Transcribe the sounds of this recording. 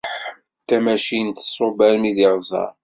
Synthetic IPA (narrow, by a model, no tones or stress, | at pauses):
t̪æmæʃint̪ə̥sˤːobæɾmiðɪʁzˤɑ̰ɾˤ